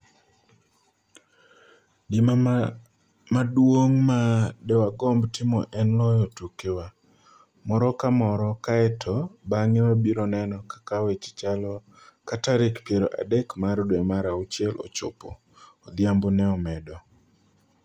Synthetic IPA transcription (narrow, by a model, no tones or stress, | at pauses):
dɪma | madwoŋmadɛwaɡɔmbtɪmɔʔɛnlɔjɔtukewa | mɔɾɔkamɔɾɔkaɛtʰɔbaŋɪwabiɾɔnɛnɔkḁkawet͡ʃt͡ʃalɔ | kataɾɪkpjeɾo̰ʔa̰dɛkmaɾdwɛmaɾaut͡ʃjɛlʔo̰t͡ʃo̰po̰ː | d̪jambonɛɔmɛdɔ